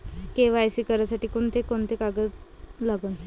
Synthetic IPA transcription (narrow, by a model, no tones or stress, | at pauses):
keʋajsikəɾjasaʈiːkoɳt̪ʰekont̪ʰekaɡət̪laɡun